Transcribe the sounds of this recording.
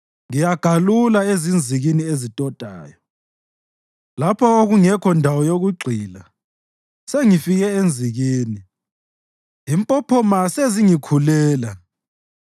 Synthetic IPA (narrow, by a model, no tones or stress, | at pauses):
ŋijaɡ̥ʱalulaezind͡zʱiɣiniezitʼɔd̥ʱa̰ːjɔ | lapʰɔoɣuŋɛkʰɔndʱawɔjoɣuɡ͡ǀʱiːla | seŋifiɣɛend͡zʱiɣiːni | impʼɔpʰɔmaseziŋikʰulɛːla